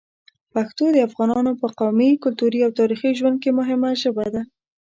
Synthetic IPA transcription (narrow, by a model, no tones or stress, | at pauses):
paxt̪od̪əafɣɑnɑnopəqawmikʊlt̪uɾiawt̪ɑɾixiʒwand̪̚kemʊɦɪmaʒəbad̪a